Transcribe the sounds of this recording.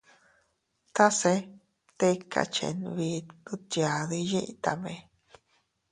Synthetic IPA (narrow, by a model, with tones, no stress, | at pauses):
t̪a˦se˧ | t̪e˦kʰa̰˧t͡ʃḛ˧˨nβi˧˦d̪ũ˦t̪ja˨ði˧jĩ˦ʔt̪a˧mẽ˧